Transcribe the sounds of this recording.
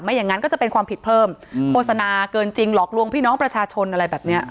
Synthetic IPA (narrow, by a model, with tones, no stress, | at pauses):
ma˥˩ja˨˩ŋːa˦˥nkɔː˥˩t͡ɕa˨˩pe˧nkʰwaː˧mpʰi˨˩t̪̚pʰɤː˥˩mkʰoː˥˩t̪sa˧naː˧kɤː˧nt͡ɕi˧ŋlɔː˨˩k̚lu˧əŋpʰiː˥˩nɔː˦˥ŋpɾa˧t͡ɕʰaː˧t͡ɕʰo˧nʔa˧ɾa˧jbɛː˨˩p̚ni˦˥ɐ